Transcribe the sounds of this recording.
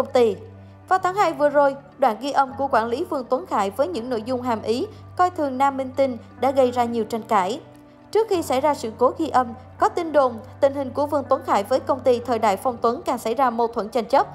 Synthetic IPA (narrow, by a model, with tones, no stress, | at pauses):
kə˧wŋ͡mt̪i˧ | vaː˨˩wt̪ʰaː˨˦ŋhaː˧jvɨ˨˩əzo˨˩jɗwa̰ː˧˨nɣi˧ʔə˧mku˧˩əkwaː˧˩nli˨˦vɨ˧əŋt̪wə˨˦nxa̰ː˧˩jvəː˨˦jɲɨ̰˧˥ŋno̰˧˥jzʊ˧ŋ͡mɦaː˨˩mʔi˨˦ | kɔ˧jt̪ʰɨ˨˩əŋnaː˧mːï˧ŋt̪i˧ŋ | ɗa̰ː˧˥ɣə˧jzaː˧ɲi˨˩əwt͡ɕa˧jŋ̟kaː˧˩j | t͡ɕɨ˦˥ək̚xi˧sa̰˧˩jzaː˧sɨ̰˧˨ko˨˦ɣi˧ʔə˧m | kɔ˨˦t̪i˧nɗo˨˩mt̪ï˧˨˩ŋ̟hï˨˩ŋ̟ku˧˩əvɨ˧˩əŋt̪wə˨˦nxa̰ː˧˨jvəː˨˦jkə˧wŋ͡mt̪i˧t̪ʰəː˨˩jɗa̰ː˧˨jfɔ˧wŋ͡mt̪wə˨˦nkaː˨˩ŋsa̰˧˩jzaː˧mo˨˩t̚t̪ʰwə˧˨nt͡ɕa˧˩jŋ̟t͡ɕə˦˥p̚